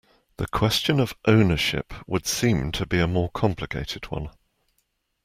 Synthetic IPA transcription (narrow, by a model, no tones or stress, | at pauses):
ðəkʰw̥ɛst͡ʃə̃nəv̥ʔə̃ʊ̃nəʃɪ̰pʰwəd̥sĩmtʰəbiəmɔːkʰɒ̃mpʰlɪkʰeɪtʰɪd̚wʌ̰̃n